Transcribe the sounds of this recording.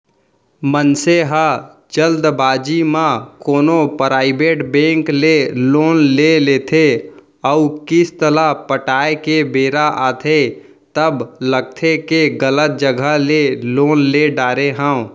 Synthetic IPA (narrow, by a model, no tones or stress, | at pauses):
mənseɦə | d͡ʒəld̪baːd͡ʒimãkoːnopɾaːɪbeːʈbẽːŋkleloːnleleːt̪ʰe | əukɪst̪əlapəʈaːekebeːɾaʔaːt̪ʰe | t̪əbləɡ̚t̪ʰekeɡələt̪̚d͡ʒəɡʱəleloːnleɖaːɾeɦə̃